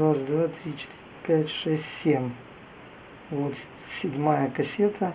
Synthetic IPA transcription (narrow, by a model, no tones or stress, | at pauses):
asd̪vat̪ɾʲit͡ʃɪ̥t̪ɪɾʲɪpʲætʲʂɛsʲtʲsʲemʲ | vot̪ | sʲɪdʲmajəkɐsʲet̪ʰə